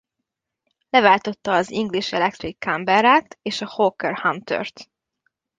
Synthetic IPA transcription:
lɛvaːlt̪o̞t̪ːɒːziŋɡliʃɛlɛk̚t̪ɾikʰːambɛɾaːt̪eːʃɒhoːkɛrhamt̪ø̰rt̪

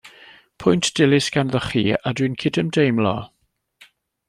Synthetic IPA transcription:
pʰʊjntd̥ɪlɪsɡ̥anðəχḭːadwinkʰɪdəmdejmlɔ̰ː

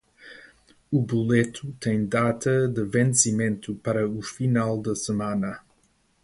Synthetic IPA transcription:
ubulet̪ʰut̪ẽj̃d̪at̪ʰɐd̪ɨvẽnsimẽnt̪upɐɾɐufinalˠd̪ɐsɨmãnɐ

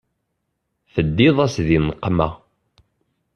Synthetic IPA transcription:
θəd̪ːiðˤæsðinqːmæ̰

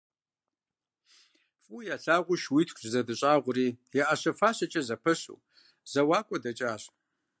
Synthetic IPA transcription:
fʼujaɬaːʁʷʊʃwitʰkʰʷʼzɐdɨɕʼaːʁʷʊriːjaʔaɕɐfaːɕɐt͡ʃʼɐzɐpʰɨɕṵ | z̥ɐwaːkʷʼɔdɐt͡ʃʼaːɕʼ

